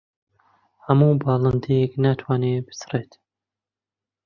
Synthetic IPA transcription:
hɐmuːbɑːlˠɨnd̪eknat̪ʰwaːneːbɨ̥sɨreːt̪

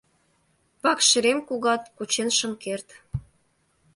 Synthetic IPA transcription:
pɑkʃə̆ɾemkuɣɑt̪̚kut͡ɕenʃə̆mkert̪

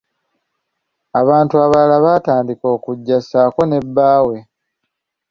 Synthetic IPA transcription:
aβaːntuaβalaβataːndiko̞ːkuɟːasaːko̞ne̞bːaːwe̞

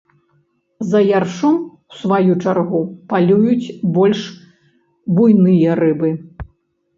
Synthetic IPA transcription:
zɐjarʂuwsvajut͡ʂarɣupalʲujut͡sʲbɔlʲʂ | bujnɨjɐɾɨbɨ

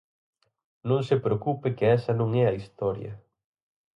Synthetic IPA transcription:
nõŋsɪpɾeokupɪkɪɛsɐnõŋɛɐist̪ɔɾjɐ̰

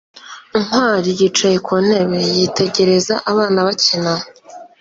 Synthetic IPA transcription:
im̥waːɾijit͡ʃajekʰon̥e̞βe̞jitʰe̞ɟe̞ɾe̞zaʔaβaːnaβacina

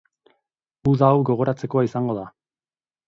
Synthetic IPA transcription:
uðawɡo̞ɣ̞o̞ɾat͡se̞ko̞aisaŋɡo̞ða

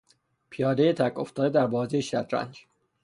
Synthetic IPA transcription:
pʰijɒːd̪ejet̪ʰækʰo̞ft̪ɒːd̪ed̪æɾbɒːzejeʃæd̪ɾæ̰nd͡ʒ

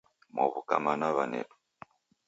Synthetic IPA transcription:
mɔβukamanaβanɛ̰tu̥

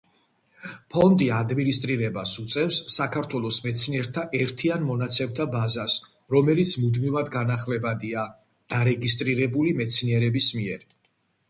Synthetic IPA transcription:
pʰɔnd̪iad̪minist̪ʼɾiɾɛbasut̪sʼɛfsːakʰaɾt̪ʰwɛlˠɔsmɛt̪sʰniɛɾt̪ʰaʔɛɾt̪ʰianmɔnat̪sʰɛmt̪ʰabazas | ɾɔmɛlit̪sʰmud̪mivad̪ɡanaχlɛbad̪ia | d̪̥aɾɛɡis̬t̪ʼɾiɾɛbulimɛt̪sʰniɛɾɛbismiɛɾ

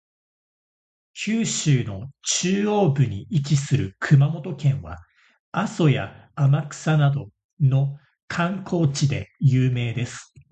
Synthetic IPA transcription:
kʲʰɨːɕɨːno̞t͡ɕɨːo̞ːbɯ̟ɲ̟iʔikisɨɾɯ̟kʰɯ̟mamo̞t̪o̞kẽ̞ɰ̃βa̰ | aso̞jaːmakɯ̟̥sanad̪o̞ | no̞ | kʰãŋkʰo̞ːt͡ɕid̪e̞̰jɯːme̞ːd̪e̞sɨ̥

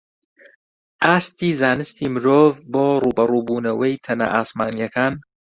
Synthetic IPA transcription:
ʔaːst̪iːzaːnɨst̪imɨɾoːvboːruːbɐruːbuːnɐwɐjt̪ʰɐnɐ̰ʔaːsmaːnijɐkaːn

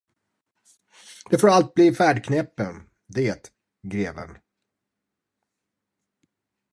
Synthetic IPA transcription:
d̪̥ɛfoːɾalt̪̚bliːfæːɖkʰnɛpːən | d̪eːt̪ | ɡɾeːvə̰n

